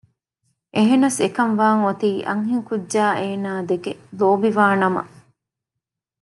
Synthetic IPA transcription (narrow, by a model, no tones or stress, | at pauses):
ʔeɦenɐsekɐnʋaːŋot̪iːʔɐ̰ŋɦiŋkudːaːʔeːnaːd̪eɡeloːbiʋaːnɐmɐ̰